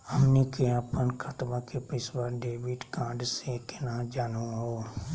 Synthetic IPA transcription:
həmnikeapənkʰət̪bakepɪsbaːɾɖeːʋɪɖkaːɖsekenaːd͡ʒaːnũɦoː

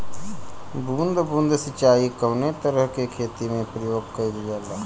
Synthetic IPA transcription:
bũːnd̪ʱbũːnd̪ʱsɪt͡ʃaːikəʊnet̪əɾəɦkekʰeːt̪imẽpɾəjoːɡ̚kəilid͡ʒaːlaː

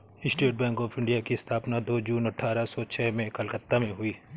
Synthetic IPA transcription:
ɪsʈeːʈ̚bɛ̃ːŋkɔːfʰɪ̃ɳɖijakist̪ʰaːpnad̪oːd͡ʒuːnɐʈʰːaːɾasɔt͡ʃʰɛːmẽkɐlkət̪ːamẽɦʊiː

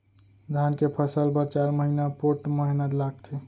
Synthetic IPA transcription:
d̪ʱankepʰəsəlpəɾt͡ʃaɾməɦinapoʈməɦinəd̪laɡt̪ʰi

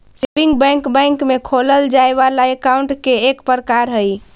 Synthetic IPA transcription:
t͡ʃebiŋɡbɛ̃ŋkbɛ̃ŋkmekʰoləld͡ʒaebalaekauɳʈkeekpəɾəkaɾɦəj

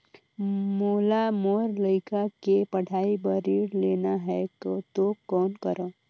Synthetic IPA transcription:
moːlamoːɾləɪkakepəɽʱaːibəɾiɽleːnaɦɛkt̪okɔːnkəɾõ

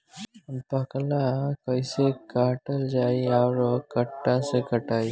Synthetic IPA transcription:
bɐklakɐisekaːʈəld͡ʒaːiɔːɾkɐʈːãsekɐʈaːi

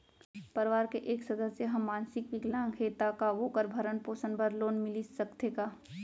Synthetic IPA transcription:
pɐɾɪʋaːɾkeʔeːksɐd̪əsːeɦɐmːãːnsɪkʋɪklãkʰeːt̪akaʋoːkəɾbʱɐɾənpoːsənbɐɾloːnmɪlisɐkt̪ekaː

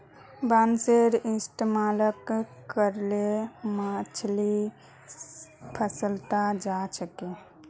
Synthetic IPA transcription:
banseɾɪsʈmaːləkkːəɾlemat͡ʃʰli | pʰəsəlt̪ad͡ʒasəkẽ

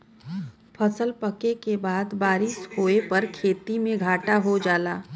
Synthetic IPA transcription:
pʰɐsəlpɐkekebaːd̪baːɾɪʃhoːepɐɾkʰeːt̪imẽɡʱaːʈaɦod͡ʒaːlaː

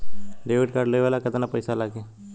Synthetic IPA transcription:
ɖeːʋɪʈ̚kaːɾɖləjʋaːlakət̪anapəjsalaːɡe

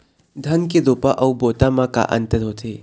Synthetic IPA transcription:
d̪ʱɐnkedopaʔɐwbot̪amɐka̰ʔɐ̰nt̪ɐd̪ot̪ʰe

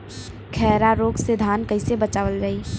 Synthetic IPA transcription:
kʰɛːɾaɾoːɡsed̪ʱaːnkəɪsebət͡ʃaːʋəlɾai

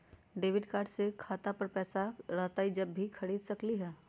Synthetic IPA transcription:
ɖeːʋɪɖkaːɾɖsekʰaːt̪apɐɾpɛːsaɾɐɦt̪aid͡ʒɐbːikʰɐɽiːd̪sɐkliɦɛː

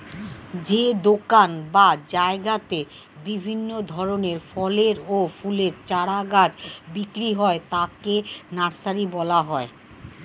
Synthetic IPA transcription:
d͡ʑed̪okanbad͡ʑaeɡat̪e | bibʱinːod̪ʱɔɾoneɾfɔleɾofuleɾt͡ɕaɽaɡad͡ʑbikɾiɦɔet̪akenaɾsaɾibɔlaɦɔe

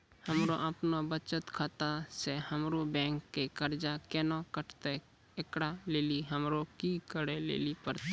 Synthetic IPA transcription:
həmɾoʔəpnobət͡ʃət̪kʰat̪asehəmɾobɛ̃ːŋkːekəɾd͡ʒakɛːnakəʈʰt̪e | ɪkɽaleːliɦəmɾokikəɽelḛːlipəɾt̪a

